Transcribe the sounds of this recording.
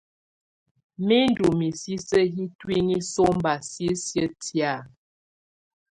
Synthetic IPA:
mi˦n˦du˨mi˨si˦sə˦ɦi˦twi˦ni˦so˦m˦ba˨si˦sjə˦tja˦˨

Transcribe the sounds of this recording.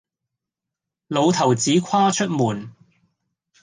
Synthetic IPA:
lo˨˧wt̪ʰɐ˨˩wt͡siː˨˥kʰaː˥t͡ʃʰɵ˥t̚muː˨˩n

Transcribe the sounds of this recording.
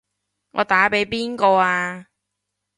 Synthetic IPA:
ŋʔɔː˨˧t̪aː˨˥pe˨˥jpiː˥nkɔː˧aː˧

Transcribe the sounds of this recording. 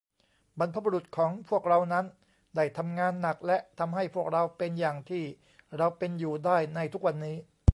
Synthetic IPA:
ba˧npʰa˦˧˥bu˧ɾu˨˩t̪̚kʰɔː˩˦ŋpʰu˥˩ək̚ɾa˧wna˦˥n | da˥˩jt̪ʰa˧mŋaː˧nːa˨˩k̚lɛ˦˥t̪ʰa˧mɦa˥˩jpʰu˥˩ək̚ɾa˧wpe˧njaː˨˩ŋt̪ʰiː˥˩ | ɾa˧wpe˧njuː˨˩daː˥˩jna˧jt̪ʰu˦˥k̚wa˧nːiː˦˥

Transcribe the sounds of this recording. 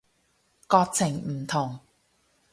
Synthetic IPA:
kɔː˧k̚t͡sʰɪ˨˩ŋm̩˨˩t̪ʰʊ˨˩ŋ

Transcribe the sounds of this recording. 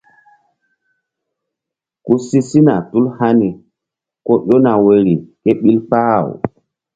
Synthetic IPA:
ku˦si˦si˦na˨tu˦lha˦ni˨ | ko˦ɗo˦na˨we˨ɾi˨ke˦ɓi˦lpa˦˨w

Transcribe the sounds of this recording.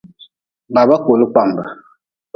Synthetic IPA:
ba˨ba˦ko˨lɨ˦k͡pa˨m˨ba˨

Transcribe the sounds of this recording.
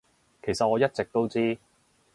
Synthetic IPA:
kʰe˨˩jsɐ˨t̚ɔː˨˧jɐ˥t̚t͡sɪ˨k̚t̪o˥wt͡siː˥

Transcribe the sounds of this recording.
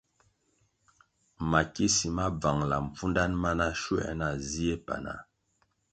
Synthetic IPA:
ma˨ki˦si˨ma˦b͡va˨ŋla˨m˨fu˦nda˦nma˦na˦ʃwɛ̰˦˨na˨zi˦e˦pa̰˨na̰˨

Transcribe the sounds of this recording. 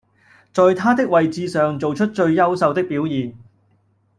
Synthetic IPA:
t͡sɔː˨jt̪ʰaː˥t̪ɪ˥k̚wɐ˨jt͡siː˧sœː˨ŋt͡so˨wt͡ʃʰɵ˥t̚t͡ʃɵ˧ɥjɐ˥wsɐ˧wt̪ɪ˥k̚piː˨˥wjiː˨n

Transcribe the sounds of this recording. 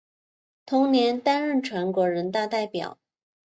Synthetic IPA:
t̪ʰʊ˧˥ŋnjɛ˧˥nt̪a˥nɻə˥˩nʈ͡ʂʰwa˧˥nkwɔ˧˥ɻə˧˥nt̪a˥˧t̪a˥˩ɪpjɑ̰˨˩˦ʊ

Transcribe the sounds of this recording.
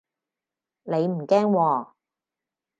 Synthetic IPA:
ne˨˧jm̩˨˩kɛː˥ŋwɔː˧˩

